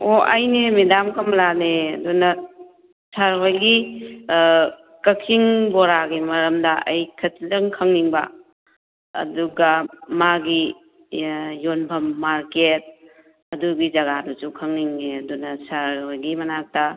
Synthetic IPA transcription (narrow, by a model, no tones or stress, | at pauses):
oʔajnemedamkɐmlaneɐdunɐ | sʰaɾɦojɡi | kɐkʰiŋbɔɾaɡimɐɾɐmdɐajkʰɐtlɐŋkʰɐŋniŋba̰ | ɐ̰duɡamaɡi | jonbʰʱɐmːaɾket̚ | ɐduɡid͡ʒɐɡadusukʰɐŋniŋneɐdunɐsaɾhojɡimɐnak̚tɐ